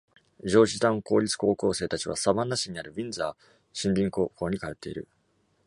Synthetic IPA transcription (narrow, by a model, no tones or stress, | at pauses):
d͡ʑo̞ːʑid̪ãŋko̞ːɾʲit͡sɨ̥ko̞ːko̞ːse̞ːt̪at͡ɕiβ̞a̰sabãnːaɕiɲ̟iaɾɯ̟bʲĩnd͡zaː | ɕĩnbʲĩŋkoːko̞ːɲ̟ikaet̪ːe̞ḭɾɯ̟